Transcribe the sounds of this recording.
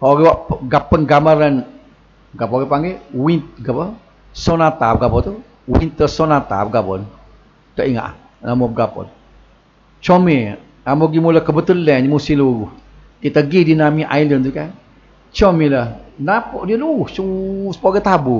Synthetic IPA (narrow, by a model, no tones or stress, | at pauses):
kaʔoɡiwaʔpɡapənɡaməɾən | ɡapɔɡepaŋɡewint̪̚ɡapə | sɔnat̪ap̚ɡabɔt̪u | wint̪əsɔnat̪a̰p̚ɡapɔ̰n | t̪əʔiŋa̰ʔ | namob̚ɡapɔ̰n | t͡ʃome | amoɡimuləhkəbət̪əlɛɲmusiluɾuh | t̪it̪əɡidinamiʔa̰jlənt̪ukan | t͡ʃɔmiləhnapɔʔdiəluɣuhsuŋsə̥poɡet̪abu